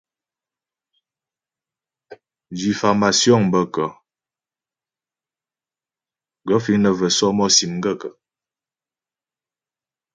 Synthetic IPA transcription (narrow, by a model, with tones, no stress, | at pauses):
d͡ʒi˨fa˨ma˨sjɔ˦˨ŋ˨bə˦kə˨ | ɡə˨˦fi˦nə˨və˨sɔ˦mɔ˦si˨mŋ̩˦ɡə˦˨kə˨